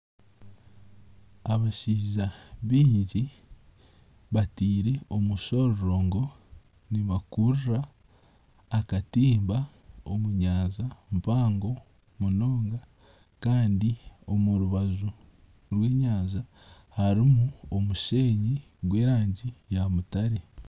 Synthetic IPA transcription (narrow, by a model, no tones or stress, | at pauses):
aβaʃiːzaβiːɲɟi | βatiːɾe̞o̞muʃo̞ɾɾoːŋɡo̞ | niβakuɾuɾaː | katiːmba | omuɲaːzampaːŋɡo̞ | muno̞ːŋɡa | kaːndio̞muɾuβazu | ɾwe̞ːɲaːza | haɾimuo̞muʃe̞ːɲi | ɡwe̞ːɾaːɲɟijamutaɾe